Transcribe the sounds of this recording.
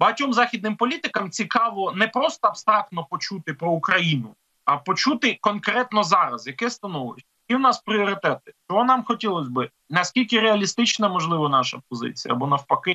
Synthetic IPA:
bɐɦɐtʲɔmzɑxʲid̪nɪmpɔlʲit̪ɪkɐmt͡sʲikɑʋɔnɛpɾɔst̪ɔɐbst̪ɾɑk̚t̪nɔpɔt͡ʃut̪ɪpɾɔukɾɐjinʊ | ɐpɔt͡ʃut̪ɪkɔnkɾɛt̪nɔzɑɾɐzjɐkɛst̪ɐnɔlˠɪsʲ | kiwnɑspɾʲiɔɾɪt̪ɛt̪ɪ̥t͡ʃɔɦɔnɑmxɔtʲilˠɔsʲbɪ | nɐsʲkʲilʲkɪɾeɐlʲist̪ɪt͡ʃnɐmɔʒlˠɪʋɔnɑʃɐp̚ɔzɪ̰t͡sʲijɐ̰ɐbɔnɐwpɐkɪ

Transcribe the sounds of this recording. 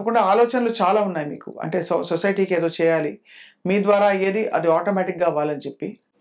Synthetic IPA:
pɐkuɳɖaaːlɔːt͡ʃɐnɐlut͡ʃaːlaːunːaːjmḭːkṵɐ̰ɳʈe̞ːsososɐjʈiːkeːd̪o̞ːt͡ʃɛːjaːli | miːd̪ʋaːɾaːeːd̪iʔɐ̰d̪iaːʈoːmɛːʈikɡaːʋaːlɐnit͡ʃe̞pːi

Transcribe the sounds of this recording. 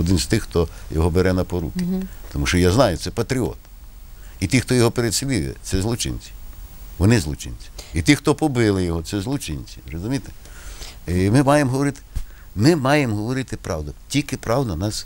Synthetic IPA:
ɔd̪ɪnst̪ɪxxt̪ɔjɔɦɔbeɾɛnɐpɔɾṵkɪ̥t̪ɔmuʃt͡ʃɔjaznɑjʊt̪sɛpɐt̪ɾʲiɔ̰t̪ | it̪ʲixt̪ɔjɔɦɔpeɾed̪ʲsʲʋʲiʊ̰jɛ̰t̪sɛzlˠɔt͡ʃɪ̰nʲt͡sʲi̥ʋɔnɪzlˠɔt͡ʃɪ̰nʲt͡sʲi̥it̪ixt̪ɔpɔbɪlˠɪjɔɦɔt̪sɛzlˠʊt͡ʃɪnʲt͡sʲirɔzʊmʲijt̪e̥ | mɪmɑjemɦɔʋɔɾɪt̪ɪ̥ | mɪmɑjemɦɔʋɔɾɪt̪ɪpɾɑwd̪ɐtʲikɪpɾɑwd̪ɐnɑs

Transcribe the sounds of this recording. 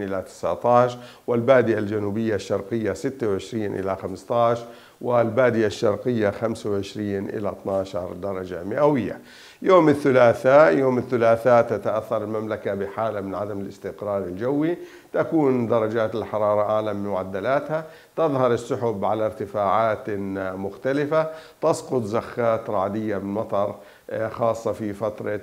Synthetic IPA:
ʔɪlat̪ɪ̥sʕt̪ˤɑːʃ | wɪlbaːd̪ɪʔald͡ʒanuːbɪjːaʃːɑɾˤqɪjːasɪt̪ːawʕɪʃɾiːnʔɪ̰laxamst̪ˤɑːʃɾˤ | wɪlbaːd̪ɪjaʃːɑ̰ɾˤqɪjːaxamsawʕɪʃɾiːnʔɪ̰lat̪nɑːʃɑɾˤd̪ɑɾˤɑd͡ʒamɪʔawɪjːa̰ | joːmɪθːʊlaːθajoːmɪθːʊlaːθat̪at̪aʔaθːɑɾˤɪlmamlakabɪħaːlamɪnʕad̪amɪlɪst̪ɪqɾɑːɾˤɪld͡ʒawːi | t̪akuːnd̪ɑɾˤɑd͡ʒaːt̪ɪlħɑɾˤɑːɾˤɑʔaːlamɪmʊʕad̪ːalaːt̪ha | t̪ɑðˤhɑɾˤɪsːʊħʊbʕalaɾt̪ɪfaːʕaːt̪mʊxt̪alɪfat̪ɑsqʊt̪ˤzaxːaːt̪ɾˤɑːd̪ɪjːamɪnmɑt̪ˤɑɾˤ | xɑːsˤːɑfifat̪ɾˤɑ

